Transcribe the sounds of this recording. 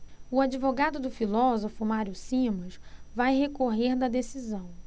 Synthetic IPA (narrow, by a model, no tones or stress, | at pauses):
ʊad͡ʒivoɡad̪ʊd̪ʊfilɔzofʊmaɾjusĩmuʃvajɦekoɦeɾd̪ɐd̪esizɐ̃w̃